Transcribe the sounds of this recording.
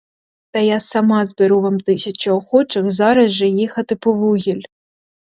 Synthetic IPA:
t̪ɐjasɐmɑzbeɾuʋɑmt̪ɪsʲɐt͡ʃɪɔxɔt͡ʃɪxzɑɾɐzʒɛjixɐt̪ɪpɔʋuɦʲilʲ

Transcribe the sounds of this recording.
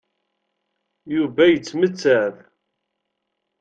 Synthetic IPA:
juvæjət͡sːmət͡sːæð

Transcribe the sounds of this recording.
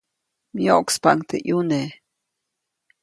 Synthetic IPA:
mjoʔkspaŋt̪ḛʔjune

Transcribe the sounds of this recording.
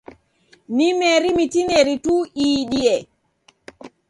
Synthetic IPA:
nimeɾimitineɾituiɗiɛ

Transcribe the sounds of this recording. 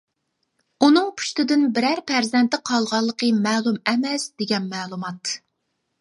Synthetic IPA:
unɨŋpʰy̥ʃt̪ɪd̪ɪnbɪɾæɾpʰæɾzɛnt̪ɪqʰɑlˠʁɑlˠːəqʰəmɛːlˠumɛmɛsd̪̥eɡʲɛnmɛːlˠumɑt̪

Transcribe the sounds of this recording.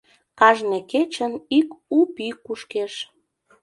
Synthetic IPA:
kɑʒneket͡ɕənikupikuʃkeʃ

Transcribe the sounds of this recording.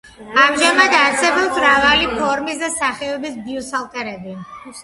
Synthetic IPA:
amʒamad̪aɾsɛbɔpsɾavalipʰɔɾmisd̪asaχɛɔbisbiɔsalˠt̪ʼɛɾɛbi

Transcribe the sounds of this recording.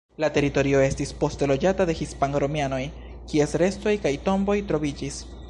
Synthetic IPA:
late̞ɾito̞ɾio̞e̞stispo̞stelo̞d͡ʒatade̞hispaŋɾo̞miano̞j | kiesɾe̞sto̞jkajto̞mbo̞jtɾo̞vid͡ʒis

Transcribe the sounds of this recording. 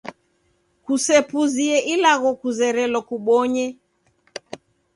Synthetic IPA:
kusɛpuziɛʔilaɣɔkuzɛɾɛlɔkuɓɔɲɛ

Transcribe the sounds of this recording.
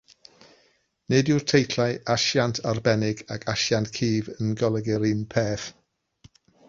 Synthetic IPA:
nɨdɪr̥tʰejtʰlaɨʔaʃjantʰarbɛnɪɡakʰaʃjantkʰiːvənɡɔlˠɛɡɛɾɪnpʰeːθ

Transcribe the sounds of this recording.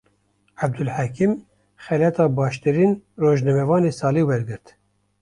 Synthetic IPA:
æb̚d̪ulħækim | xɛlɛt̪ʰɑːbɑːʃt̪ɨɾiːnroːʒnɛmɛvɑːneːsɑːliːwɛɾɡɨɾt̪

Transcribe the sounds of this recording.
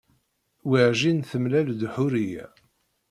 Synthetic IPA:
wiʕʒinθəmlæld̪ħʊɾijæ̰

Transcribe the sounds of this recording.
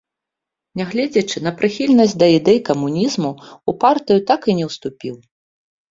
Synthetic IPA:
nʲaɣlʲɛd͡zʲɐt͡ʂɨn̪ɐpɾɨxʲilʲnɐsʲd̪ɐid̪ɛjkɐmunʲizmuupart̪ɨjut̪akɨnʲɛwst̪upʲiw

